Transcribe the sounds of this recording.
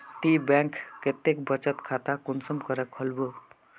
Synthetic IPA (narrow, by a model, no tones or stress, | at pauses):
t̪ibɛ̃ŋkket̪ːekbət͡ʃət̪kʰat̪akunsəmkəɾəkʰəlbo